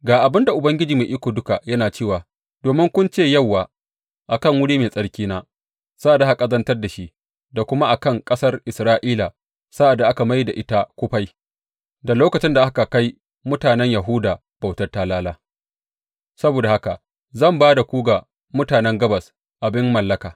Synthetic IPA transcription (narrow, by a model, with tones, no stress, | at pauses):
ɡaː˨ʔa˨bɪ˦nda˨ʔʊ˨bɐ˦ŋɡʲɪ˦d͡ʒiː˨me˨ʔɪ˦kʷoː˨dʊ˦ka˨jɐ˦naː˨t͡ʃeː˦˨waː˨ | d̥oː˨mɪ˦ŋkʷʊ˦nt͡ʃeː˦˨jɐ˦˨wːaː˨ | ʔa˨kɐ˦˨ŋwʊ˦ɽiː˦meː˨sʼɐ˦ɽkʲiː˦naː˦ | sa˦ʔa˨da˦ha˨kʼɐ˦zɐ˦ntɐ˦rda˨ʃi˦ʔ | da˨kʷʊ˦ma˦ʔa˨kɐ˦˨ŋkʼɐ˦sɐ˦rʔɪ˨sɾaː˦ʔiː˦la˨ | sa˦ʔa˨dːa˨ʔa˦ka˨ma˦jda˨ʔɪ˦ta˦kʷʊ˦ɸa˦j | da˨loː˦kɐ˨t͡ʃɪ˦nda˨ʔa˦ka˨ka˦j | mʊ˦taː˨nɛ˦ɲjɐ˨ɦʊ˦daː˨ | b̥a˨wtɐ˦rta˦laː˦laː˦ | sɐ˦boː˨da˨ha˦ka˨ | zɐ˦˨mbaː˦da˨kʷuː˦ɡa˨ | mʊ˦taː˨nɛ˦ŋɡɐ˦bɐ˨s | ʔa˨bɪ˦mːɐ˨lːɐ˦kaː˨